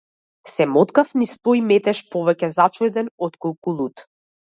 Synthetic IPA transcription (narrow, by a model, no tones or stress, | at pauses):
sɛmɔt̪kafnist̪ɔimɛt̪ɛʃpɔvɛcɛzat͡ʃɔd̪ɛnɔt̪kɔlˠkulˠut̪